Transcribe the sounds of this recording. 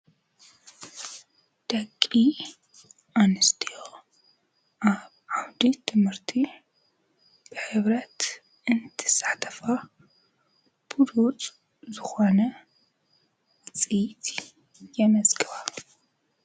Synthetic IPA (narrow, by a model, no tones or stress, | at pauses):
d̪̥ɐkʼːi | ʔanɨst̪ʰijo | ʔaβʕawd̪it̪ʰɨmhɨɾt̪ʰi | b̥ɨħɨβɾɐt̪ | ɨnt̪ʰɨ̥sḁħt̪ʰɐ̥fa | b̥uɾut͡sʼ | zɨxonɐ | t͡sʼijt̪ʰi | jɛmɐzɡɨβa